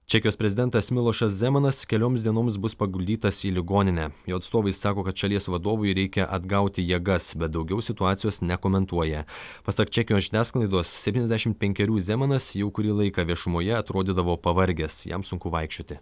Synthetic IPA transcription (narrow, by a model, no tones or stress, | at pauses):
t͡ʃʲɛkʲɪjoːspʲɾʲɛzʲɪd̪ʲɛnt̪ɐsmʲɪlˠoːʃɐszʲɛmɐnɐskʲɛlʲoːmsd̪ʲiɛnoːms̬bʊspɐɡʊlʲd̪ʲiːt̪ɐsiːlʲɪɡoːnʲɪnʲæjoːɐt̪st̪oːʋɐɪssɑːkoːkɐt̪ʃɐlʲiɛsʋɐd̪oːʋʊjɾʲɛɪkʲɛʔɐd̪ɡɐʊt̪ʲɪjiɛɡɐsbʲɛt̪̚d̪ɐʊɡʲɛʊsʲɪt̪ʊɑːt̪sʲɪjoːsnʲɛkoːmʲɛnt̪uɔjɛpɐsɐkt͡ʃʲɛkʲɪjoːsʒʲɪnʲæːsklˠɐɪd̪oːssʲɛtpʲtʲinʲɛzʲd̪ʲæʃʲɪmt̪̚pʲɛŋʲkʲɛɾʲuːzʲɛːmɐnɐsjɛʊkʊɾʲiːlˠɐɪkɑːʋʲiɛʃʊmoːjɛɐt̪ɾoːd̪ʲɪd̪ɐʋoːpɐʋɐɾʲɡʲɛsjɛ̰msʊŋkʊʋɐɪkʃʲt͡ʃʲoːt̪ʲɪ